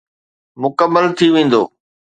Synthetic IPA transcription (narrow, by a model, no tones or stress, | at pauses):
mʊkəmːəlt̪ʰiʋẽːn̆d̪o̰ː